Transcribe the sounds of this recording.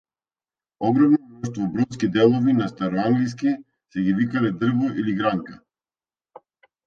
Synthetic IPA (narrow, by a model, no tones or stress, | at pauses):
ɔɡɾɔmnɔnɔʃt̪vɔbɾɔt̪skid̪ɛlˠɔvinast̪aɾɔaŋɡlis̬ki | sɛɡivikalɛd̪r̩vɔʔiliɡɾaŋka